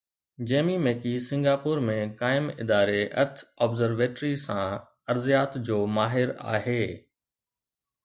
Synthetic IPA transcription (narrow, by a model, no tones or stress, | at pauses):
d͡ʑeːmimeːkisɪ̃ŋɡaːpʊːɾmẽkaːɪmɪ̰d̪aːɾeʔɐ̰ɾt̪ʰɔːbzəɾʋeːʈɾisãː | ɐɾzijaːt̪d͡ʑoːmaːɦɪɾa̰ːɦeː